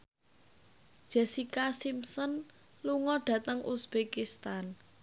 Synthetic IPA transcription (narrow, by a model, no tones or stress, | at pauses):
d̥ʒ̥ɛsikasimsən | luŋɔɖ̥ä̤t̪əŋʔusb̥ekist̪an